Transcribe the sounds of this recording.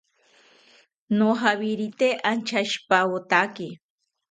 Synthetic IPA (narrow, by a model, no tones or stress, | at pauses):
noɦaβiɾit̪eʔant͡ʃʰaʃpawot̪aki